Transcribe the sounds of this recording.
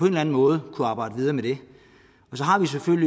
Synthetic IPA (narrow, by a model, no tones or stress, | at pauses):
ɒe̝nlæn̩mɔ̽ːð̞̩ˠkʰuɑ̈ːb̥ɑ̈ɪdəʋið̞ˠɐːmed̥e̝ | ɒ̽sɒ̽ɦɑ̈ʋis̬eføl̰li